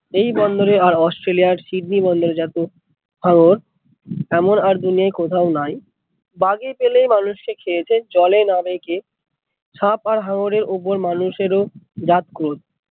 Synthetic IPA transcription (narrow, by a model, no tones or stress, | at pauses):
ejbɔnd̪oɾeaɾɔsʈɾeliaɾsiɖ̚nibɔnd̪oɾed͡ʑat̪o | haŋoɾ | ɛmonaɾd̪uniajkot̪ʰaonaj | baɡepelejmanuʃkekʰelet͡ɕʰed͡ʑɔlenabeke | ʃap̚aɾɦaŋoɾeɾʔup̬oɾmanuʃeɾod͡ʑat̪kot̪